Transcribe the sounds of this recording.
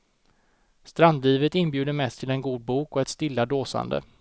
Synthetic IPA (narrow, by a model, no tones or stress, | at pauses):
st̪ɾand̪liːvət̪ɪnbjʉ̟ːd̪əmɛst̪ʰːɪlɛnɡuːd̪̚buːkɔɛt̪st̪ɪlːad̪oːsa̰nd̪ə̰